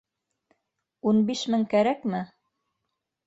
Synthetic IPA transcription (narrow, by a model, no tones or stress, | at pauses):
unbiʃmɘŋkæɾækmɘ